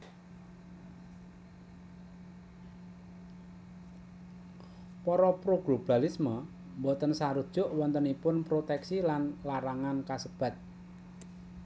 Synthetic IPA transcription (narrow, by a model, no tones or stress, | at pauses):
pɔɾɔpɾoɡ̥lob̥a̤lismə | mbot̪ənsaɾud̥ʒ̥ʊ̤ʔwɔnt̪ənipʊnpɾot̪ɛksilanlaɾaŋankasəb̥ä̤t̪̚